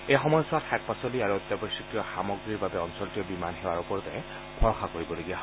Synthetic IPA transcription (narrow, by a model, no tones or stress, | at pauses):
ejxɔmɔjɔsʊatʰak̚pasɔliaɹuɔt̪ːabɔsikijɔxamɔɡɹiɹbabɛɔnsɔltijɛbimanɦewaɹupɔɹtɛ̃ | bʰʱɔɹɔxakoɹibɔloɡijaɦ